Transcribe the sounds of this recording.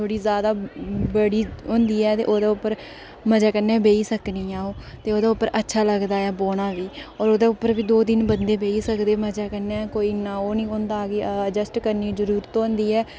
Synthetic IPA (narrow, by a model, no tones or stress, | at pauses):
t̪ʰoːɽiːzjaːd̪aːbəɽiːʊ̃ːnd̪iːɛːt̪ḛːʔoːd̪aːʊpːəɾ | məd͡ʒaːkənɛ̃ːbeːiːsəkniːãːõːt̪eːoːd̪aːʊpːəɾʔətːʃʰaːləɡd̪aːɛːboːɽ̃aːʋiːɔːɾoːd̪aːʊpːəɾbiːd̪oːd̪ɪnbənd̪eːbeːiːsəkd̪eːməd͡ʒaːkəɾnɛ̃ːkoːiːnãːoːnĩːʊnd̪aːɡeːəd͡ʒəsʈkəɾniːzəɾuːɾət̪oõːnd̪iːɛː